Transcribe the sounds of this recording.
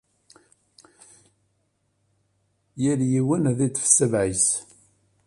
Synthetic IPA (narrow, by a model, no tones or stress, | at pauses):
jəɾjiwənðit͡sːfsːəvʕis